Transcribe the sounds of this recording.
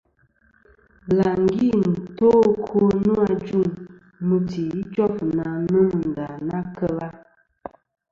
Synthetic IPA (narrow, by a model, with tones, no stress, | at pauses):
la˨ŋ˦ɡi˦˨n̩˨to˦kʰo˦nnu˦a˦d͡ʒu˦˨ŋ | mə˨ti˨i˦t͡ʃɔ˦fna˨nə˦m˨n̩˨da˨na˦kə˦la˦